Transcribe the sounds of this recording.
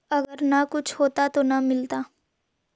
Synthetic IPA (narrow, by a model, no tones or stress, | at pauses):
ɐɡəɾnakʊt͡ʃʰhoːt̪at̪onamɪlt̪aː